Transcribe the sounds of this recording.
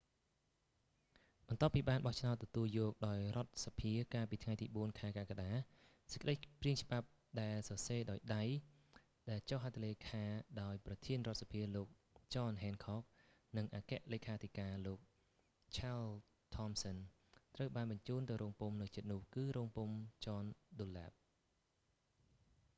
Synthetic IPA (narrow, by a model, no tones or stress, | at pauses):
ɓɑnt̪ŏəpːiːɓaːnɓɑht͡ɕʰnaɔt̪ːɔt̪uəljɔːk̚ɗaɔjrŏət̪̚sapʰiəkaːlpiːt̪ʰŋajt̪iːɓuənkʰaɛkaːkaɗaː | sə̥c̚kə̆ɗəjpriəŋt͡ɕə̆ɓap̚ | ɗaɛlsɑseːɗaɔjɗaj | ɗaɛlt͡ɕohɦat̪ʰːleːkʰaːɗaɔjprɑt̪ʰiənrŏət̪̚sḁpʰiəloːk̚ | t͡ɕɑːnɦɛːnkʰɑːk̚ | nɨŋʔaːkɛ̆əʔleːkʰaːt̪ʰikaːloːk̚ | t͡ɕʰaːl | t̪ʰɑmsɔn | t̪rəwɓaːnɓɑɲt͡ɕuːnt̪ɨwroːŋpumnɨwt͡ɕɨt̪̚nʊ̆əhkɨːɾoːŋpumt͡ɕɑːnɗolaːp̚